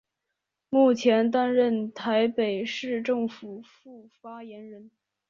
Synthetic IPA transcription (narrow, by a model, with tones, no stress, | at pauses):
mu˥˩t͡ɕʰjɛ˧˥nt̪a˥nɻə˥˩nt̪ʰa˧˥ɪpe˨˩ɪʂɻ̩˥˧ʈ͡ʂɤ˥˩ŋfu˨˩fu˥˩fa˥jɛ˧˥nɻə˧˥n